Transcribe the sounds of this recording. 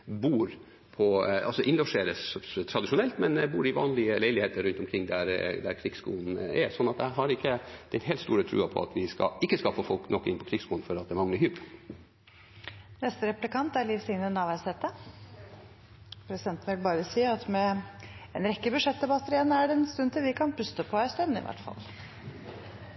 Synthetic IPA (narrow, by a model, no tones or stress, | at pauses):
buːɾ | pʰɔɑ̰lsɔʔɪnlɔʂeːɾəst̪ʰɾɑd̪ɪʃʊnɛlt̪mɛnbuːɾɪʋɑ̰ːnlɪəlæɪlɪheːt̪əɾʉnt̪ɔmkʰɾɪŋːd̪æɾd̪æ̰ɾkʰɾɪɡskṵːln̩ɛ̰sɔnːɑt̪̚d̪ɛhæɦɑɾɪkːəd̪̥ɛneːlt̪st̪ṵːɾət̪ʰɾʉ̰ːɑpʰɔ̰ɑ̰t̪ʋɪskɑ̰ɪkːəskɑlfofɔlknɔkːɪ̰npʰɔ̥kʰɾɪɡskuːlnfɔɾɑt̪d̪ɛmɑŋləɾhyːb | nɛst̪əɾɛplɪkɑnt̪æɾliːfsɪŋnənɑːʋæɪshɛːt̪ə | pʰɾɛsɪd̪ɛnt̪n̩ʋɪlbɑːɾəsiːɑt̪mɛɛnɾɛkːəbʉʂɛt̪̚d̪ɛbɑt̪ːəɾɪɛnːəæɖɛɛnst̪ʉnt̪ʰɪlʋɪkʰɑnpʰʉst̪əpʰɔæɪst̪œnːɪ̰ʋʔæ̰ʈfɑ̰l